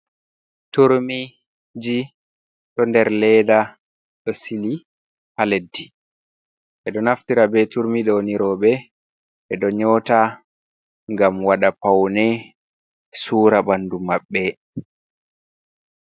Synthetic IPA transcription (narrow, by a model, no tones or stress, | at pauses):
tuɾmi | d͡ʒi | ɗɔndɛɾlɛda | ɗɔsili | haledːi | ʔɛɗɔnaftiɾabɛtuɾmiɗɔniɾɔɓɛ | ʔɛɗɔɲɔta | ŋɡamwaɗapawnɛ | suːɾabandumaɓːɛ